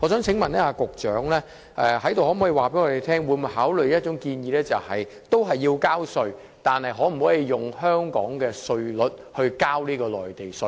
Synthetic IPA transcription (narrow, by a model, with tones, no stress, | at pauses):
ɔː˨˧sœː˨˥ŋt͡sʰɪ˨˥ŋmɐ˨˩nɛː˥aː˧kʊ˨k̚t͡ʃœː˨˥ŋlɛː˥ | ʔɛ˧hɐ˨˥jt̪o˨whɔ˨˥m̩ː˨˥ji˧waː˨pe˨˥ŋɔ˨˧e˨˧t̪ʰɛː˥ŋwu˨˧mu˨˧˥jhɦaː˨˥wlɵ˨ɥjɐ˥t̚t͡ʃʊ˨˥ŋkiː˧njiː˨˧˥lɛː˥t͡sɐ˨whɐ˨j | t̪o˥wɦɐ˨jːiː˧wkaː˥wsɵ˧ɥ | t̪aː˨˩nhɐ˨jɦɔː˨˥m̩˨˩hɔː˨˥ji˧jʊ˨˩ŋhœː˥ŋkɔ̰ː˨˥ŋkɛː˧sɵ˧ɥlɵ˨˥t̚hɵ˧ɥkaː˥wliː˥kɔː˧lɔ̰ː˨˩jt̪e˨jsɵ˧